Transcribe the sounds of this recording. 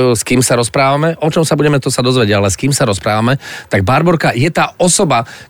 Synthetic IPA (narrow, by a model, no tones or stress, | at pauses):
skiːmsaɾɔspɾaːʋamɛʔɔt͡ʃɔmsabuɟɛmɛt̪ɔsad̪ɔzʋɛɟalɛskiːmsaɾɔspɾaːʋamɛt̪aɡ̚baɾbɔɾkajɛt̪aːɔsɔba